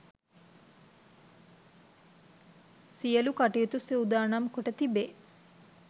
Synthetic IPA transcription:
sijəlukaʈijet̪usiwud̪aːnamkoʈət̪ibeː

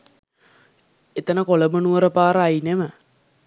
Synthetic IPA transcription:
et̪ənəkoləmənuəɾəpaːɾəajnemə

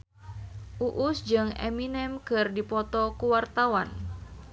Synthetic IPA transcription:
ʔuʔusd͡ʒɨŋɛ̰minɛmkɨrdipɔt̪ɔkuwart̪awan

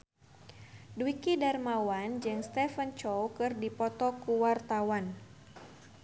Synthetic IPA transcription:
duikidarmawand͡ʒɨŋst̪ɛfənt͡ʃɔwkɨrdipɔt̪ɔkuwart̪awan

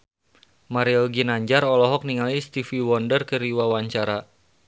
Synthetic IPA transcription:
maɾiɔlɡinaɲd͡ʒaɾɔlɔɦɔk̚niŋalist̪ifiwɔndərkəɾiwawaɲt͡ʃaɾa

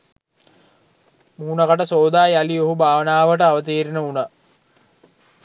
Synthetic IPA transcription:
muːnakaʈəsoːd̪aːjalioɦubʱaːʋənaːʋəʈəaʋət̪̬iːɾinəuna

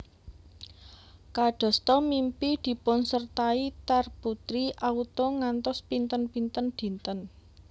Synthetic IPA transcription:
kaɖ̥ɔ̤st̪ɔmimpid̪̥i̤pʊnsərt̪ait̪arput̪ɾiʔaut̪ɔŋant̪ɔspint̪ənpint̪ənd̪̥i̤nt̪ən

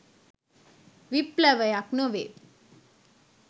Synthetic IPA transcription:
ʋiplɛʋəjaknoʋe

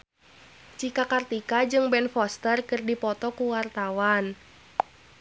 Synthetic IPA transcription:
t͡ʃikakart̪ikad͡ʒɨŋbɛnfɔst̪ərkɨrdipɔt̪ɔkuwart̪awan

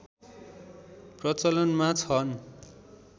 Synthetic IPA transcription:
prʌt͡sʌlʌnmat͡sʰʌn

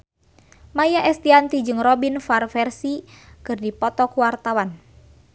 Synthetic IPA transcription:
majaʔɛst̪iant̪id͡ʒɨŋrɔbinfarfɛrsikɨrdipɔt̪ɔkuwart̪awan

